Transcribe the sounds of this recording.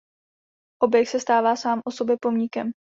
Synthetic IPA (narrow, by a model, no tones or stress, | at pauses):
ʔo̞bjɛksɛst̪aːvaːsaːmʔoso̞bjɛpo̞mɲɪkɛm